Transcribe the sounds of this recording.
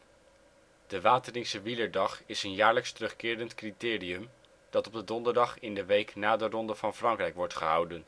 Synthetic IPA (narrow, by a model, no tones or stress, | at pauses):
d̥əʋaːtəlɪksəʋiləɹdɑχɪsənjaːɹləkstərɵχkɪːɾəntkritɪːriɵm | d̥ɑtɔb̚dədɔndəɹdɑχɪndəʋejknaːdərɔndəv̥ɑnfrɑŋkrɛjkʋɔɹtχəɦɑwdən